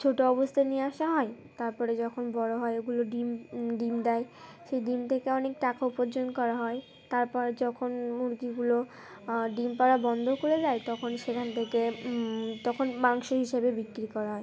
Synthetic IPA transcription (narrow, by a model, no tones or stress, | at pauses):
t͡ɕʰoʈoɔbost̪ʰanieaʃaɦɔet̪aɾpɔɾed͡ʑɔkʰonbɔɾoɦɔeeɡuloɖimɖimd̪aeʃejɖimt̪ʰekeɔnekʈakaupoɾd͡ʑonkɔɾaɦɔe | t̪aɾpɔɾd͡ʑɔkʰonmuɾt̪iɡulo | ɖimpaɾabɔnd̪ʱokoɾed͡ʑaet̪ɔkʰonʃekʰant̪ʰeke | t̪ɔkʰonbaŋʃoɦiʃebebikːɾikɔɾaɦɔe